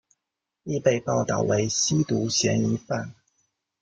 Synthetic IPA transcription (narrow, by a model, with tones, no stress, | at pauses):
i˥˧pe˥˧ɪpɑ˥˧ʊt̪ɑ̰˥˩ʊwe˧˥ɪɕi˥t̪u˧˥ɕjɛ˧˥ni˧˥fa˥˩n